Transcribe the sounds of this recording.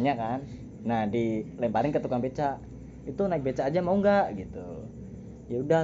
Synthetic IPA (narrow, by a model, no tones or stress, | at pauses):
ɲakanː | ahdilaimpaɾɪŋkət̪ukaŋbet͡ʃa | it̪unaɪk̚bet͡ʃaːd͡ʒamauŋɡaʔɡit̪ṵ | jauda